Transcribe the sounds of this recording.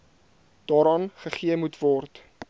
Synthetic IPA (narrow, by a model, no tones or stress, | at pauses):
d̥ɑːɾɑnχəχiəmutvɔrt